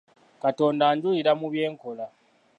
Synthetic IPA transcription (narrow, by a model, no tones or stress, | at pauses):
kato̞ːndaːɲɟuliɾamuβje̞ːŋko̞la